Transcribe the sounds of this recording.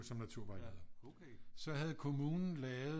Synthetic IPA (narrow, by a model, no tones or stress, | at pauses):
sɒ̽mnæt͡sʰuɐ̰ʋɑ̈ḭɐðˠɐ | sɒ̽ɦæð̞̩ˠkʰo̝muːnn̩lɛːʊð